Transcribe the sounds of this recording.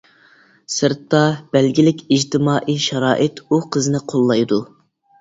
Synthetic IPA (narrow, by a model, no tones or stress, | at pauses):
sɨɾt̪ːɑb̥ɛlɡʲilɪkʲʰid͡ʒt̪ʰɪmɑːʔiʃɑɾɑːʔɨt̪uqʰəzɨnɪqʰolˠːɑjd̪u